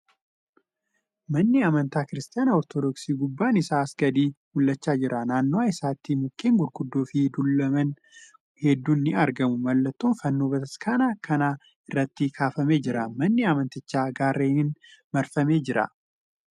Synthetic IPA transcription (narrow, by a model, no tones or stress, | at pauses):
mɐnːɪɐmɐnt̪aːkɪɾɪst̪ɪjaːnɐɔɾt̪od̪ɔksiːɡʊbːaːnɪsaːsɡ̥ɐd̪iːmʊlːɐt͡ʃːaːd͡ʒɪɾʔɐnaːnːoaːɪsaːt̪ːimʊkːe̞ːŋɡʊd̪ɡʊd̪ːo̞ːfɪd̪ulɐmɐn | hɛd̪ːuːnːɪɐɾɡɐmʊmɐlːɐt̪ːoːnfɐnːoːbɐt̪ɐskʰaːnaːkɐnaː | ɪrːɐt̪ːɪkʰaːfɐme̞ːd͡ʒɪɾɐmɐnːɪɐmɐnt̪ɪt͡ʃːaːɡaːrːeːnɪnmɐɾfɐme̞ːd͡ʒɪɾɐ̰